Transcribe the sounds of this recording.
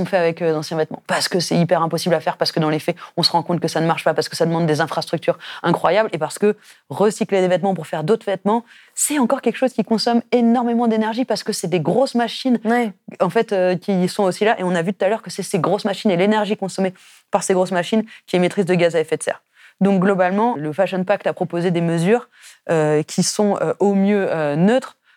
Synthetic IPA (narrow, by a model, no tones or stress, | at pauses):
ɔ̃fɛavɛkød̪ɑ̃sjɛ̃vɛt̪mɑ̃paʁsə̥kəsɛipɛʁɛ̃pɔsiblafɛʁpaʁsə̥kəd̪ɑ̃lefɛɔ̃səʁɑ̃kɔ̃t̪̚kəsanəmaʁʃpapaʁsə̥kəsad̪əmɑ̃d̪ːezɛ̃fχast̪χyk̚t̪yʁɛ̃kχwajablepaʁsə̥kə | ʁəsikled̪evɛt̪mɑ̃puʁfɛʁd̪ot̪χəvɛt̪mɑ̃ | sɛɑ̃kɔʁkʲɛlkəʃozkʲikɔ̃sɔmenɔʁmemɑ̃d̪enɛʁʒipaʁsə̥kəsɛd̪eɡʁosmaʃinɑ̃fɛt̪økʲisɔ̃osilaʔeɔ̃navyt̪ut̪alœʁkəsɛseɡʁosmaʃinelenɛʁʒikɔ̃sɔme | paʁseɡʁosmaʃinkʲiɛmet̪χizd̪əɡazaefɛt̪sɛ̰ʁ | d̪ɔ̃k̚ɡlɔbalmɑ̃ləfaʃɔnpak̚t̪apχɔpozed̪eməzyʁ | økʲʰisɔ̃øʔomjøønøt̪χ